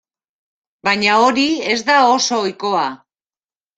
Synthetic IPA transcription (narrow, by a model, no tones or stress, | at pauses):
baɲao̞ɾie̞zd̪ao̞so̞ːjko̞a